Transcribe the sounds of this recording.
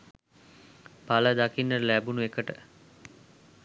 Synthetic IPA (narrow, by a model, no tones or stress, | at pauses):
paləd̪akinːəɾəlæbunuekəʈə